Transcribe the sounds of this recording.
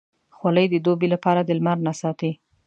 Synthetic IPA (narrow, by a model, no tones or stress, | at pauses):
xwaləjd̪əd̪obelapɑɾad̪əlmaɾnasɑt̪i